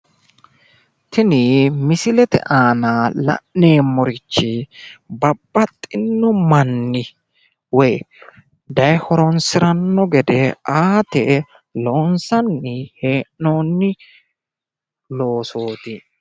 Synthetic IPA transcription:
t̪ʰɪnɪmɪsɪlɛt̪ɛ̰ʔaːnalɐ̰ʔːe̞ːmɔɾɪt͡ʃːɪbɐbːɐt̪ʼːɪnːɔmɐnːɪ | wɔj | d̪ɐjhɔɾɔnsɪɾɐnːɔɡɛd̪ɛʔaːt̪ɛ | loːnsɐnːɪheːʔːo̞ːnːɪ | lo̞ːso̞ːt̪ɪ

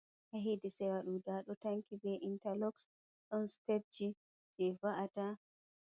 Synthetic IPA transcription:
ʔaɦedisɛwaɗudaɗɔtaŋkibɛʔintalɔks | ɗɔnsteb̚d͡ʒi | d͡ʒɛvaʔata

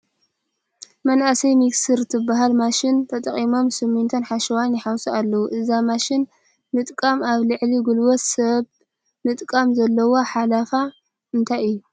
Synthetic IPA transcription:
mɐnʔasɐjmiksɨɾt̪ʰɨbːaɦalmaʃɪnt̪ʰɐt̪ʼɐχʼimo̞msɨmːɨnt̪ʰɐnħaʃɐwanjɪħawsɐalːɐwuʔɨzamaʃɪn | mɨt̪ʼkʼɐmaβlɨʕliɡulwot̪sɐβ | mɨt̪ʼkʼɐmzɐlːɐwoħalafa | ʔɨnt̪ʰajɨjːu

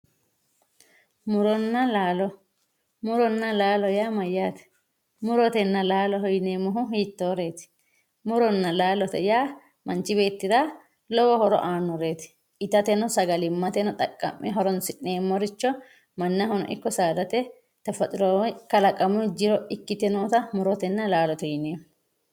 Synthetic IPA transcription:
mʊɾɔnːɐlaːlɔ | mʊɾɔnːɐlaːlɔjaːmɐjːaːt̪ɛ̥ | mʊɾɔt̪ɛnːɐlaːlɔɦɔjneːmʊɦʊɦiːt̪ːoːɾe̞ːt̪ɪ̥ | mʊɾɔnːɐlaːlɔt̪ɛ̰jaː | mɐnt͡ʃɪbe̞ːt̪ːɪɾaː | lɔwɔhɔɾɔ̰ʔaːnːɔɾeːt̪ɪ̥ | ɪt̪ɐt̪ɛnɔsɐɡɐlɪmːɐt̪ɛnɔt̪ʼɐkʼːɐ̰mːɛɦɔɾɔnsɪnːeːmːɔɾɪt͡ʃːɔ | mɐnːɐɦɔnɔ̰ʔɪ̰kːɔsaːd̪ɐt̪ɛ | t̪ɐfɐt̪ʼɪɾɔkɐlɐkʼɐmʊd͡ʒɪɾɔɪkːɪt̪ɛnoːt̪ɐmʊɾɔt̪ɛnːɐlaːlɔt̪ɔjneːm

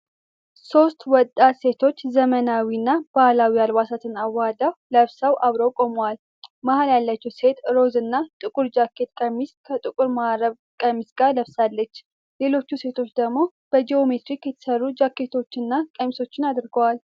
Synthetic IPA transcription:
so̞st̪wɔt̪ʼːat̪se̞t̪ʰo̞t͡ʃːzəmənawinːab̥ahlawialwasat̪ʰɨnawːad̪awləβsawʔaβɾəwkʼo̞mowal | mahaljalːat͡ʃːɛwse̞t̪ɾo̞zɨnːat̪ʼɨkʼuɾd͡ʒakːe̞t̪kʼəmːiskʰət̪ʼɨkʼuɾmaɾəβ | kʼəmisɡaɾləβsalːət͡ʃː | le̞lo̞t͡ʃːuse̞t̪ʰo̞t͡ʃːd̪əɡmo̞ | b̥əd͡ʒeo̞me̞t̪ɾikjɛt̪ʰə̥sərːud͡ʒakːe̞t̪ʰo̞t͡ʃːɨnːakʼəmisot͡ʃːɪnad̪ɾɡəwal

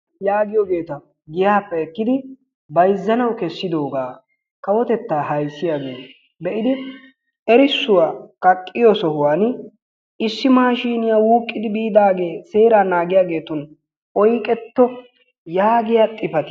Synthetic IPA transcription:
jaːɡɪjɔɡe̞ːt̪ɐ | ɡɪjaːpːɛɛkːɪd̪ɪ | bɐjzːɐnɐwkɛsːɪd̪oːɡaː | kɐwɔt̪ɛt̪ːaːhɐjsːɪjaːɡḛː | bɛʔɪd̪ɪ | ɛɾɪsːʊwaːkɐkʼːɪjɔsɔhʊwaːn | ɪsːɪmaːʃiːnɪjaːwuːkʼːɪd̪ɪbiːd̪aːɡe̞ːse̞ːɾaːnaːɡɪjaːɡe̞ːt̪ɔn | ʔɔjkʼɛt̪ːɔ | jaːɡɪjaːt̪ʼːɪpɐt̪ɪ

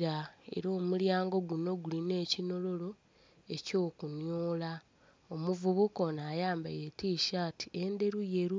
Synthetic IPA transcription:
ɾae̞̰ɾo̞ːmuljaːŋɡo̞ɡuno̞ɡuline̞ːcino̞lo̞lo̞ | e̞co̞ːkunjoːla | omuvuβuko̞najaːmbaje̞tiːʃati̥e̞nde̞ɾuje̞ɾu

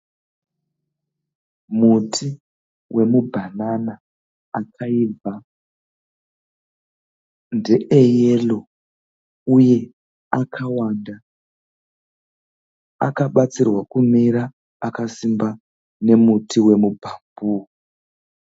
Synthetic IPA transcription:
mutʰi | wʔe̞mubʱanana | akʰaib͡va | nde̞ʔejelo̞ | uje̞ | akʰawaːnda | a̰kaɓat͡sirwakumiɾaː | kasimba | ne̞mutiwe̞mubʱambu

